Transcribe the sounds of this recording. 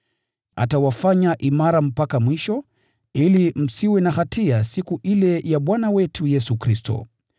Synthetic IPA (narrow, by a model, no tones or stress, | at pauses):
a̰tawafaɲaʔimaɾam̩pakamwiʃɔ | ilim̩siwɛnahatʰiasikuʔilɛjaɓwanawɛtʰujɛsukɾistɔ̰